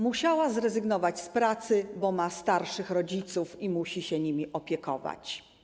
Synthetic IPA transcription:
muɕawazɾɛzɘɡnɔvat͡ɕspɾat̪sɘbɔmast̪aɾʂɘxɾɔd͡ʑit̪sufimuɕiɕɛɲimʲiʔɔpʲjɛkɔ̰va̰t͡ɕ

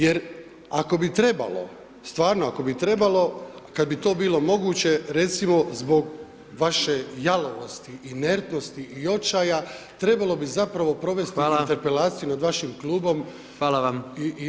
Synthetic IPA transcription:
je̞ɾ | ako̞bit̪ɾe̞ba̰lo̞̰ | st̪ʋaːɾnoako̞bit̪ɾe̞balo̞kad̪̚bit̪o̞ːbiːlˠo̞mo̞ɡuːt͡ɕe̞ɾe̞t̪simo̞zbo̞ɡ | ʋaʃe̞jalo̞ʋost̪iʔine̞ɾt̪no̞st̪iʔio̞t͡ʃaːja | t̪ɾe̞balˠo̞bizapɾaʋo̞pɾo̞ʋe̞st̪iint̪eɾpe̞laːt̪sijunad̪ʋaʃimklˠuːbo̞m | ʋaːlaami

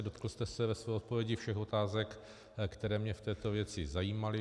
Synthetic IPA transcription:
do̞t̪kl̩st̪ɛsɛvɛsvɛːot̪̚povjɛɟɪfʃɛxo̞t̪aːzɛk | kt̪ɛɾɛːmɲɛft̪ɛːt̪o̞vjɛt͡sɪzajiːmalɪ

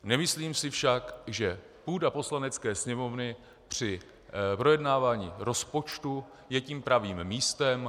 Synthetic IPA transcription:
nɛmɪsliːmsɪfʃakʒɛ | puːdapo̞slanɛt͡skɛːsɲɛmo̞vnɪ | pr̝̥ɪ | pɾo̞jɛdnaːvaːɲiːɾo̞spo̞t͡ʃt̪u | jɛciːmpɾaviːmːiːst̪ɛm

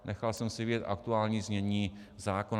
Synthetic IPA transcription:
nʔɛxalsɛmsɪvɪɟɛt̪ʔa̰kt̪uaːlɲiːzmɲɛɲiːzaːkon

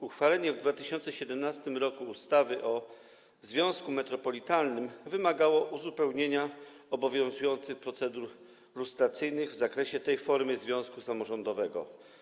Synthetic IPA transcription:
uxfalɛɲɛvd̪vat̪ɘɕɔnt̪sɛɕɛd̪ɛmnast̪ɘmɾɔkuːst̪avɘʔɔ | zvʲjɔ̃w̃skumɛt̪ɾɔpɔlʲit̪alnɘmvɘmaɡawɔʔuzupɛwɲeɲa | ɔbɔvʲjɔ̃w̃zujɔnt̪sɘxpɾɔt̪sɛd̪uɾ | lust̪ɾat̪sɘjnɘɣvzakɾɛɕɛt̪ɛjfɔɾmɘzvʲjɔ̃w̃skusamɔʐɔnd̪ɔvɛɡɔ̰

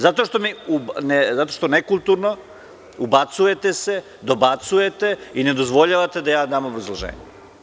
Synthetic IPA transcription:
zat̪o̞ʃt̪o̞miunezat̪o̞ʃt̪o̞nekulˠt̪uɾno | ubat̪suje̞t̪ese̞ | d̪o̞bat̪suje̞t̪e̞ine̞d̪o̞zʋo̞ʎaʋat̪e̞d̪ajaːd̪aːmobɾazlˠoʒḛːɲe

